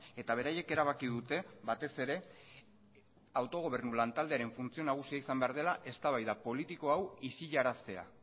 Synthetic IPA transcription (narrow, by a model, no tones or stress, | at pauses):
e̞t̪aβ̞e̞ɾaje̞ke̞ɾaβ̞akiðut̪e̞βat̪e̞se̞ɾe̞ | awt̪o̞ɣ̞o̞β̞e̞rnulant̪ald̪eaɾe̞ɱfunt͡sio̞naɣ̞usiaisambe̞aɾð̞e̞laʔe̞st̪aβajðapo̞lit̪iko̞awisiʎaɾast̪e̞a̰